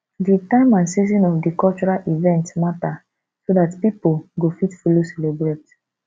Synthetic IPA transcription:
ditãɪ̃mãnsizɔ̃nɔfdikɔlt͡ʃuɹalʔivɛ̃ntsmata | sodatpipulɡofitfulosɛlebɹet

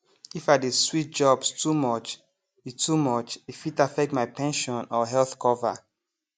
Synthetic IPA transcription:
ifadeswit̚d͡ʒɔbstʰumɔt͡ʃ | itumɔt͡ʃifitafɛk̚tmaɪpʰɛ̃nʃɔ̃nɔɦɛlθkʰɔva̰

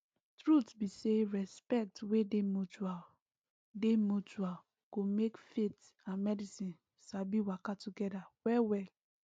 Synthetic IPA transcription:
tɹutbiseɹɛspɛk̚twedemut͡ʃua | demut͡ʃual | ɡ̥omekfet | ãnmɛdisĩn | sabiwakatuɡɛdawɛwɛl

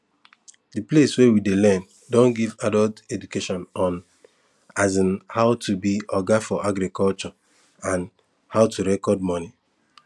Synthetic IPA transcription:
dipleswewidelɛn | dɔ̃nɡivadɔltedukeʃɔ̃nɔ̃n | azɪ̃nhaʊtʰubiɔɡafɔʔaɡɾikɔlt͡ʃɔ | ãn | haʊtuɾɛkɔdmɔni

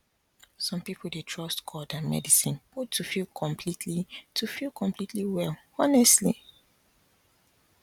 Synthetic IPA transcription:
sɔ̃mpipʰlˠdetʰɹ̥ɔstkʰɔdãnmɛ̰disĩnb̥utʰːufilkʰɔ̃mpʰlitʰlitʰufilˠkʰɔ̃mpʰlitʰliwɛl | ɔnɛstli

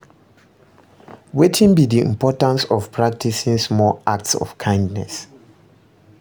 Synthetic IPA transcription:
wetʰĩnbidiḭ̃mpʰɔtãnsɔvpʰɹak̚tisĩnsmɔʔak̚tsɔ̰fkʰãɪ̃ndnɛ̰s

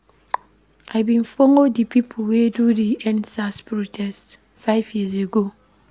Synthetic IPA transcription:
ʔaɪbĩnfoŋodipipʰowedudiɛ̃nsaspɾotʰɛst | faɪvjiz̬eɡo

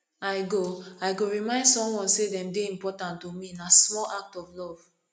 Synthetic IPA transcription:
aɪɡoaɪɡoɹimãɪ̃ndsɔ̃mwɔ̃nsedɛ̃mdeĩmpɔtãntːominasmɔlak̚tɔvlɔv̥

